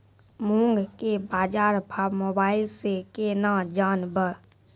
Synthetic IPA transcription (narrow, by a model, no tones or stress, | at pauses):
mũːŋɡkebaːd͡ʒaːɾpʰaːmoːbaːɪlsekenãːd͡ʒaːnbə